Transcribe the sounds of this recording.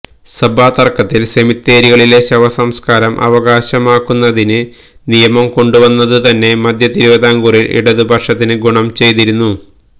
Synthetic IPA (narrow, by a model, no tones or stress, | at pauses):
sɐbʱaːt̪ɐrkːɐt̪ːilsemit̪ːe̞ːɾiɣɐɭile̞ɕɐʋɐsɐmskaːɾɐmʔɐ̰ʋɐɡaːɕɐmaːkːunːɐðinɨ | nijɐmɐmko̞ɳɖuʋɐnːɐðɨt̪ɐnːe̞mɐd̪ʱjɐt̪iɾuʋɐd̪aːŋɡurilʔḭɽɐðubʱɐʈʂɐt̪ːinɨɡuɳɐmt͡ɕe̞jt̪iɾunːu